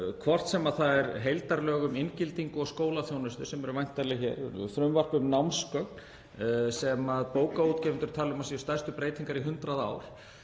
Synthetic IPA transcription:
kʰvɔr̥t̪sɛmaðθaðɛɾɦejlt̪aɾlœːɣʏmɪncɪlt̪iŋkʏɔɣskoːwlaθjownʏst̪ʏsɛmɛɾʏvajn̥t̪ːaɾlɪçɛ̰ɾθɾʏmvar̥pʏmnawmskœkn | sɛmaðpoːwkaut̪cɛːvɪnt̪ʏɾ̥t̪ʰaːlʏmasiʏst̪ajst̪ʏpɾeːjt̪iŋkaɾiɦʏnt̪ɾaða̰ːwɾ̥

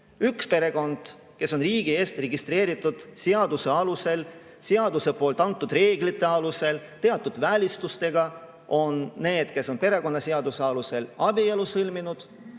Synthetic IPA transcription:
ykspe̞ɾe̞ɡ̥o̞nd̪̥ | ke̞so̞nriːɡ̥ie̞ːst̪re̞ɡist̪ɾe̞ːɾit̪ːˑud̪̥seɑd̪use̞ɑluse̞l | seɑd̪use̞po̞ːlt̪ːˑɑnt̪ːˑud̪̥re̞ːɡlit̪ːˑe̞ɑluse̞l | t̪e̞ɑt̪ːˑud̪̥vælʲist̪ust̪e̞ɡ̥ɑ | o̞nːe̞ːd̪̥ke̞so̞npe̞ɾe̞ko̞nːɑseɑd̪useɑluse̞lɑbielusɤlminud̪̥

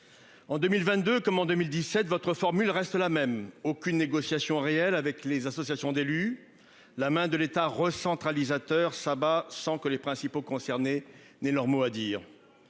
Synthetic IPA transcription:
ɑ̃d̪ømilvɛ̃t̪̚d̪økɔmɑ̃d̪ømild̪isɛt̪vɔt̪χəfɔʁmylʁɛst̪lamɛmokʲynːeɡɔsjasjɔ̃ʁeɛlavɛklezasɔsjasjɔ̃d̪ely | lamɛ̃d̪əlet̪aʁəsɑ̃t̪χalizat̪œʁsabasɑ̃kəlepχɛ̃sipokɔ̃sɛʁne | nɛlœʁmoad̪iːʁ

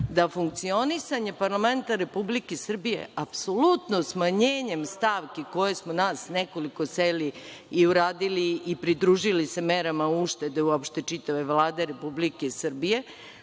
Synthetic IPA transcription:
d̪afuŋk̚t̪sio̞nisaɲe̞paɾlame̞nt̪aɾe̞publikesr̩bije̞̰ʔapso̞lut̪nosmaɲeːɲe̞mst̪aʋkiko̞je̞smonaːsneko̞liko̞seliiuɾaːd̪iliːpɾid̪ɾuːʒilise̞meɾamauʃt̪e̞d̪e̞uopʃt̪e̞t͡ʂit̪aʋe̞ʋlaːd̪e̞ɾe̞publikesr̩bije̞

